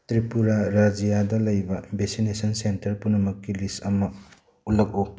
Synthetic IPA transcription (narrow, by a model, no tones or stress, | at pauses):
tɾipuɾaɾad͡ʒijadɐlɐjbɐbesinesɐnsentɐɾpunɐmɐkːilisɐmɐ | ulɐk̚u